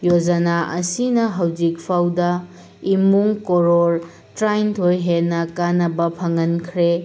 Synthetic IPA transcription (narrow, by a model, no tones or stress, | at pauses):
jod͡ʒɐnaʔɐsinɐɦɐwd͡ʒik̚pʰawdɐ | imuŋkoɾoɾ | tɾajntʰojɦenːɐkanɐbɐpʰɐŋɐnkʰɾe